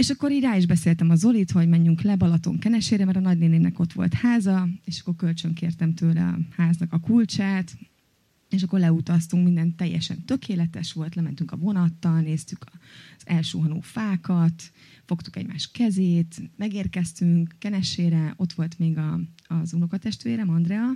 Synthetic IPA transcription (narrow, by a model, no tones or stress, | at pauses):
eːʃɒkːo̞ɾiːɟraːiʒbɛseːlt̪ɛmɒzo̞lit̪ho̞ɟmɛɲːyŋklɛbɒlɒt̪o̞̰ŋkɛnɛʃeːɾɛmɛɾɒnɒɟneːneːvnɛko̞t̪ʋo̞̰lt̪haːzɒeːʃɒ̥kːo̞rkø̞lt͡ʃøŋkeːrt̪ɛmt̪øːlɛ̰ɒ̰haːznɒkɒkult͡ʃaːt̪ | eːʃɒkːo̞rlɛut̪ɒst̪uŋkmind̪ɛnt̪ːɛjːɛ̰ʃɛ̰nt̪ø̞kʰeːlɛt̪ɛʃʋo̞lt̪lɛmɛnt̪yŋkɒvo̞nɒt̪ːɒlneːst̪ykʰz̥ɛlʃø̰ːɦɒno̰ːfaːkɒt̪ | fo̞kt̪u̥kɛ̰ɟma̰ːʃkɛzeːt̪mɛɡeːrkɛst̪yŋkːɛnɛʃeːɾɛʔo̞t̪ʋo̞lt̪meːɡɒzunokɒt̪ɛʃt̪eːɾɛmɒnd̪rɛɒ